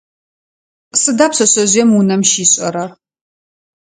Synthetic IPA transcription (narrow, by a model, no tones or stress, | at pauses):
sɨdaːpsɐɕʼɐʑʷiɛmunɐmʃiːɕʼɐ̰ɾɐ